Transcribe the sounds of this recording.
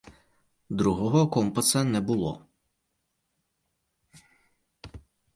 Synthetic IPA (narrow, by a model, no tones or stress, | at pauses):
d̪ɾuɦɔɦɔkɔmpɐsɐnɛbulˠɔ̰